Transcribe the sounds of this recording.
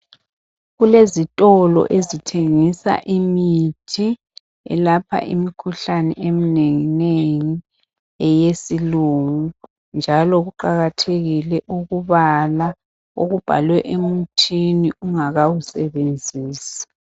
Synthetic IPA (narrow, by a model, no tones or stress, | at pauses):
ɣulezitʼɔlɔ̰ʔezitʰeŋisa̰ʔimitʰi | ɛ̰lapʰa̰ʔḭmikʰuɬanɛ̰ʔemineŋineŋi | ɛjesiluŋu | nd͡ʒʱalɔɣuǃaɣatʰeɣilɛʔuɣuβala | oɣub̥ʱa̰lwɛʔemutʰiniuŋaɣawusɛβend͡zʱiːsḁ